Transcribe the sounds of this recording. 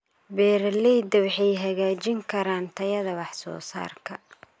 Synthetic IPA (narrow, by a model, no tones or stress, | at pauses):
bɛːɾlɛjd̪ɐwɑħɛjɦɐɣaːt͡ʃɪŋkʰɐɾaːnt̪ʰɐjɐðɐwɑħsɔ̰ːsa̰ːrkʰɐ